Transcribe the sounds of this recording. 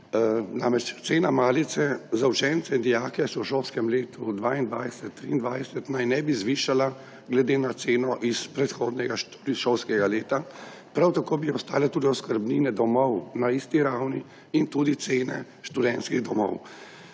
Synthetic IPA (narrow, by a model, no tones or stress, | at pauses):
na̰mɾɛt͡ʃt̪seːnamaːlit̪sɛzaut͡ʃɛnt̪sɛind̪ijaːkɛsɔwʃowskɛmleːt̪ʰud̪ʋaːind̪ʋajsɛt̪ːɾḭːnd̪ʋajsɛt̪najnɛbizʋiʃala | ɡlɛd̪enat̪seːnɔʔispɾɛt̪xoːd̪nɛɡaʃuɾiʃɔwskɛɡaleːt̪a | pɾawt̪akoːbiɔst̪a̰ːlɛt̪uːd̪iɔskəɾbniːnɛd̪ɔmɔwnaist̪iɾawni | int̪uːd̪it̪seːnɛ̰ | ʃt̪ud̪ɛnt̪skiɣd̪ɔmɔ̰w